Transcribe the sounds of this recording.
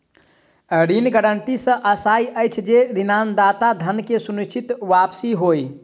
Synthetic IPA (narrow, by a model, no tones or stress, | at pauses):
əɾinɡəɾəɳʈisə̃ʔəsajəjt͡ʃʰd͡ʒeɾinand̪at̪ad̪ʱənkesunit͡ʃʰit̪ʋapsiɦoj